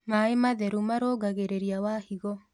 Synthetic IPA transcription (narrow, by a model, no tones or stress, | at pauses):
maemaðɛɾumaɾoːɡaɣeɾeɾiawahiɣɔ